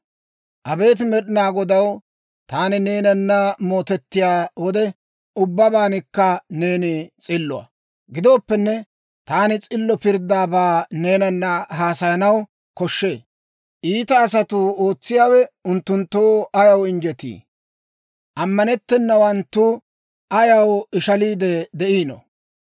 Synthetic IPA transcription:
ʔɐbe̞ːt̪mɛɗɪnaːɡɔd̪ɐw | t̪aːnɪne̞ːnɐnːɐmo̞ːt̪ɛt̪ːɪjaːwɔd̪ɛ | ʊbːɐbaːnɪkːɐne̞ːnɪt͡sʼɪlːʊɐ̰ | ɡɪd̪o̞ːpːɛnːɛ | t̪aːnɪt͡sʼɪlːɔpɪɾd̪aːbaːne̞ːnɐnːɐɦaːsɐjɐnɐw | kɔʃːeː | ʔiːt̪ɐːs̬ɐt̪ʊoːt͡sːɪjaːwɛʊnt̪ːʊnt̪ːoːɐjɐwɪnd͡ʒɛt̪ḭː | ʔɐmːɐnɛt̪ːɛnːɐwɐnt̪ːu | ɐjɐwɪʃɐliːd̪ɛd̪ɛʔiːnɔ̰

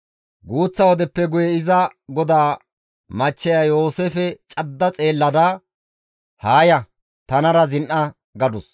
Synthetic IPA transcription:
ɡuːt͡sːɐwɔd̪ɛpːɛɡʊjɛɪzɐɡɔd̪aː | mɐt͡ʃːɛjajo̞ːseːfɛt͡ʃʼɐd̪ːɐt͡sʼeːlːɐd̪aː | haːjɐ | t̪ɐnɐɾɐzɪnʔɐ | ɡɐd̪ʊs

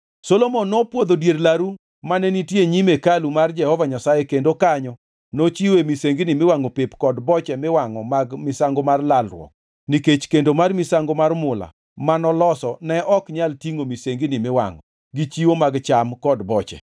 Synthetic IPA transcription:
solomonːɔpwod̪odjerlaɾu | manɛnitjeɲimekalumard͡ʒɛhɔvaɲasajɛkendokaɲɔ | not͡ʃiwemiseŋɡinɪmɪwaŋɔpepkɔdbɔt͡ʃɛmɪwaŋɔmaɡmɪsaŋɡomarlalrwɔ̰k̚ | niket͡ʃkendomarmɪsaŋɡomarmʊla̰ | manɔlɔsɔnɛʔɔkɲaltiŋomiseŋɡinɪmɪwa̰ŋɔ | ɡit͡ʃiwomaɡt͡ʃamkɔdbɔt͡ʃɛ̰

